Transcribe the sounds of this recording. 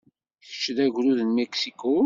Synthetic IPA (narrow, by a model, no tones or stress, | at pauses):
çə̥t͡ʃːðæʝɾuðnmeksiko